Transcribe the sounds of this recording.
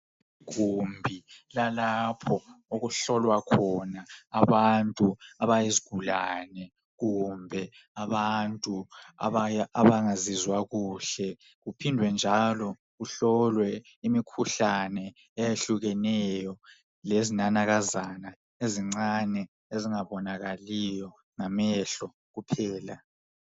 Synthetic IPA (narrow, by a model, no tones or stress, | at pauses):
iɣ̥umbʱilalapʰɔoɣuɬɔlwakʰɔnaːβantʼuaβajeziɡ̥ʱulaːnɛ | ɣumbʱɛ | aβantʼua̰βajaβaŋazizwaɣuːɬɛ | ɣupʰindʱwɛnd͡ʒʱalɔ | ɣuɬɔlwɛ | imikʰuɬanɛ | ɛjeɬuɣɛnɛjɔ | lezinanaɣazana | eziŋ͡ǀanɛ | eziŋaβɔnaɣalijɔ | ŋamɛɬɔ | ɣupʰɛːla